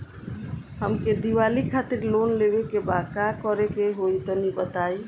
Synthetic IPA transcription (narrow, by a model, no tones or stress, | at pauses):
həmked̪iʋalikʰat̪iɾlonlebekebakakɔɾekeɦoit̪ɔnibət̪ai